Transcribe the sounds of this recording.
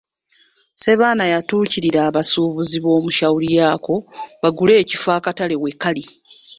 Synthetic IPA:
se̞βaːnajatuːciɾiɾaːβasuβuziβo̞ːmuʃawulijaːko̞βaɡule̞ːcifaːkatale̞wekːali

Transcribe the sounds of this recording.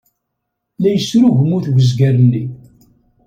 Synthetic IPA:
læjəsːɾuʝəmːuθwəzɡærənːi

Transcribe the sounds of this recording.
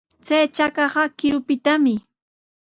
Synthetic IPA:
t͡sajt͡ʃakɑɢɑkɪɾʊpɪt̪amɪ

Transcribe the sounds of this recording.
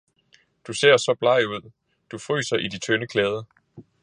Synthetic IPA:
d̥use̝ɐ̰sɒ̽b̥lɑ̈ɪuð̰ˠ | d̥ufʁy̰ːsɐʔid̥it͡sʰønəkʰlɛːð̞ˠə

